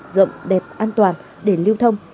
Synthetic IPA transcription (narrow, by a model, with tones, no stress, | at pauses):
zə̰˧˨ŋ͡mɗɛ˨˩p̚ʔaː˧nt̪waː˨˩n | ɗe˧˩li˧əwt̪ʰə˧wŋ͡m